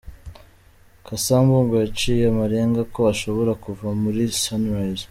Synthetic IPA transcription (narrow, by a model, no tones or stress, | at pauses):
kʰasaːmbuːŋɡojat͡ʃiːjemaɾeŋɡako̞aʃo̞βo̞ɾakuvamuɾisanɾajz